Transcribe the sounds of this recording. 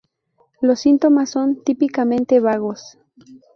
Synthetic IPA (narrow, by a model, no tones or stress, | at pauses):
losint̪omasːont̪ipikamẽnt̪eβaɣos